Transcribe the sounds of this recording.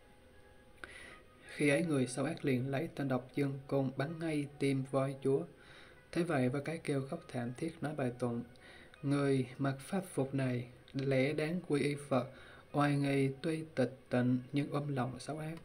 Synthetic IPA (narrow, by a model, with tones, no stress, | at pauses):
xi˧ʔə˨˦jŋɨ˨˩əjsa˨˦wʔaː˦˥k̚li˨˩ənlə˨˦jt̪a˧nɗə˨˩wk͡p̚zɨ˧əŋko˧nɓa˨˦nːa˧jt̪i˧˩mvɔ˧˩jt͡ɕu˨˦ə | t̪ʰe˨˦və̰˧˨jvaː˨˩kaː˨˦jke˧wxə˦˥wk͡p̚t̪ʰa̰ː˧˩mt̪ʰi˦˥ət̚nɔ˨˦jɓaː˨˩jt̪wə̰˧˨n | ŋɨ˨˩əjma˨˩t̚faː˦˥p̚fʊ˨˩k͡p̚na˨˩j | lɛ̰˧˩˥ɗaː˨˦ŋkwi˧ʔi˧fə˨˩t̚ | ʔwaː˨˩jŋi˨˩t̪wi˧t̪i˨˩k̟̚t̪ḭ̈˧˩˨ŋ̟ɲɨ˧ŋʔəː˧mlɔ̰˧˨wŋ͡msa˨˦wʔaː˦˥k̚